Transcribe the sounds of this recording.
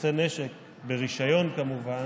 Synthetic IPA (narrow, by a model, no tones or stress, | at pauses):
seneʃek | be̞ʁiʃajo̞nkamuva